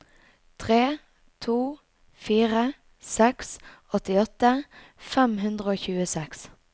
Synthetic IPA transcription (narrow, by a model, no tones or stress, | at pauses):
t̪ʰʁeː | t̪ʰuː | fiːʁə | sɛksɔt̪ɪɔt̪ə | fɛmɦʉnd̪ʁəoːçʉːəsɛks